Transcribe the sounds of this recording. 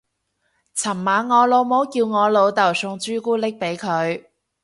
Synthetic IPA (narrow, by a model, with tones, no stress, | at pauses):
t͡sʰɐ˨˩mmaː˨˧nŋɔː˨˧lo˨˧wmo˨˥wkiː˧wŋɔː˨˧lo˨˧wt̪ɐ˨˩wsʊ˧ŋt͡ʃyː˥kuː˥lɪ˥k̚pe˨˥jkʰɵ˨˧ɥ